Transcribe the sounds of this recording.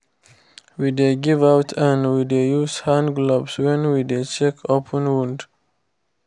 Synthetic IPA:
wid̪eɡivawtʰə̃nwidejushãndɡlɔbswɛ̃nwid̪et͡ʃɛkʰopʰə̃nwũnd

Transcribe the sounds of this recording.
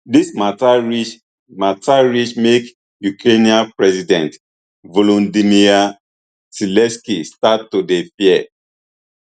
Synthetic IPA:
dismatai | matʰaɹit͡ʃmek | jukɾeniãnpɹɛzidɛ̃nt | volõndinia | silɛ̃skistatːodefiɛ

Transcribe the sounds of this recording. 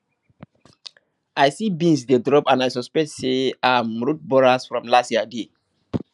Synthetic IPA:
ajsibĩnsdedɹɔpãnajsɔspɛk̚tseajmɹut̚bɔɹasfɹɔ̃mlastiade

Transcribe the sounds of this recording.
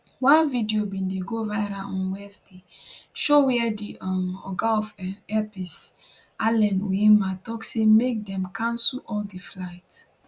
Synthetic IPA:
wãnvidiobĩndeɡovaɾaʔɔ̃nwɛsdeʃowɛdiʔɔmɔ̰ɡaɔfɛpis | alɛ̃noematɔksemek̚dɛ̃mkʰãnsuʔɔldiflaɪt

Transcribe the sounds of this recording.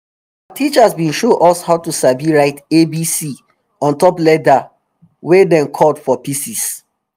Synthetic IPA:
aaatit͡ʃasbĩnʃoʔɔshaʊtusaviɹaɪtebisi | ɔ̃ntɔplɛda | wedɛ̃nkʰɔdfɔpisis

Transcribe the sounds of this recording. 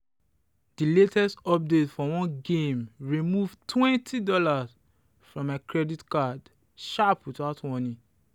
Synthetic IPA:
d̥iletɛstɔp̚detfɔwɔ̃nɡẽmɹimuvtʰwɛ̃ntʰidɔlaz | fɹɔ̃makɹɛditkad | ʃaputatwɔ̃nĩ

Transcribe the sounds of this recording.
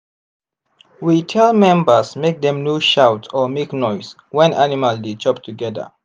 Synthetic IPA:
witʰɛlˠmɛ̃mbə˞smek̚dɛ̃mnuʃawtɔmeknɔɪs | wɛ̃nʔanimaldit͡ʃʰɔp̚tʰuɡɛdə̰

